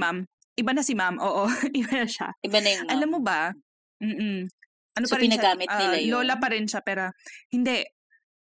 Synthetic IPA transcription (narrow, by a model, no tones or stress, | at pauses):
mam | ʔɪbanɐsɪmamʔoːʔoʔɪbanɐʃa̰ɪbanɐjʔɐlamːobɐ | m̩ːʔ̩ | ʔɐnopɐɾɪɪnɐɡaːmɪt̪̚ːɪlaloːlɐpɐɾɪnʃapɛːɾohɪnd̪ɛ